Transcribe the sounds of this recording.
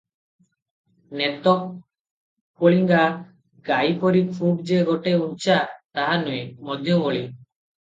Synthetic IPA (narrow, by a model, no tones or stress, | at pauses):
net̪ɔkː | oɭiŋɡa | ɡajpɔɾipʰuʈd͡ʒeɡɔʈeunt͡ʃʰat̪aɦanuemɔd̪ʱjɔoɭi